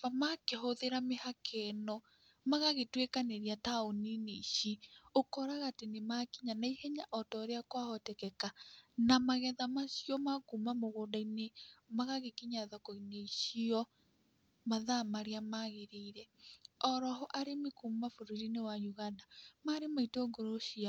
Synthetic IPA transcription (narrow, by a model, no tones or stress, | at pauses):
amakeɦoðeɾamehakʰɛnɔ | maɣaɣetwekaneɾiataonineiʃiokɔɾaɣatenemakiɲanaihɛɲaʔɔtɔɾeakwahɔtɛkɛkanamaɣɛðamaʃjɔmakumamoɣoːdainemaɣaɣekiɲaðɔkɔineiʃiɔ | maðamaɾeamaɣeɾeiɾɛɔɾɔɦɔʔaɾemikumafoɾuɾinewajuɣandamaɾemaitoŋɡoɾoʃia